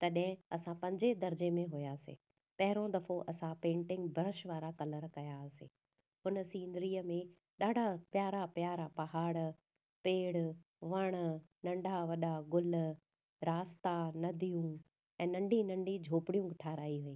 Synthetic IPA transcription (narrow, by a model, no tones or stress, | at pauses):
t̪ɐɗɦɪ̃ɐsãpɐ̃ɲd͡ʑed̪ɐɾd͡ʑemẽɦʊjaːsḛː | pɐɦɪɾõd̪ɐfoʔɐsãpẽːɳʈɪ̃ŋɡbʱɐɾəʃʋaːɾakɐləɾkɐjasḛː | ɦʊnəsiːnɾiːəmẽ | ɗaːɖʱapjaːɾapjaːɾapɐɦaːɽ | peːɽ | ʋɐɽ̃nɐ̃ɳɖʱaʋɐɗaɡʊl | ɾaːst̪anɐd̪ʱijũ | ɛ̃ːnɐ̃ɳɖʱĩnɐ̃ɳɖʱĩd͡ʑʱoːpɪɽijũɡʱɪʈʰaːɾaːiɦʊĩː